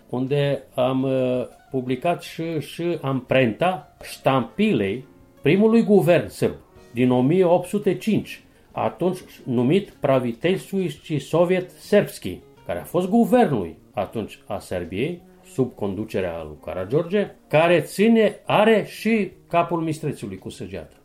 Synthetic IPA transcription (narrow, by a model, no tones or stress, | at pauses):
und̪e̞am | publikat̪ʃiʃiampɾe̞nt̪aʃt̪ampile̞j | pɾimulujɡuve̞rnsɨrbd̪ino̞mijeo̞p̚t̪sut̪e̞t͡ʃint͡ʃ | a̰t̪unt͡ʃʲnumit̪pɾavit̪elʲsujt͡ʃisovjet̪se̞rpskʲḭ | kaɾḛa̰fo̞st̪̚ɡuve̞rnṵj | at̪unt͡ʃʲa̰serbiej | subko̞nd̪ut͡ʃe̞ɾea̰lṵjka̰ɾad͡ʒo̞rd͡ʒekaɾe̞t̪sine̞aɾe̞ʃikapulmist̪ɾet̪siulujkusəd͡ʒia̰t̪ə̥